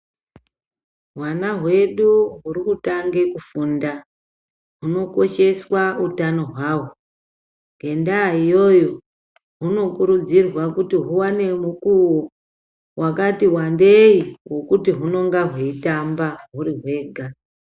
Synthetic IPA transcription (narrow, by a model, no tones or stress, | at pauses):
ɦwanaɦwe̞ɗuɦurikutaŋɡe̞kufunda | ɦuno̞ko̞ʃe̞swautano̞ɦwaːwo | ŋɡʱe̞ndaijo̞jo̞ | ɦuno̞kuɾud͡zirwakutiɦuwane̞mukuwo | wʔakatiwandeiwo̞kutiɦuno̞ŋɡaɦweitambaɦuriɦwe̞ːɡʱa